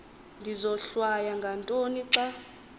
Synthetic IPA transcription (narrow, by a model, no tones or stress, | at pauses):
ndʱizɔɬwajaŋɡʱantʼoniǀa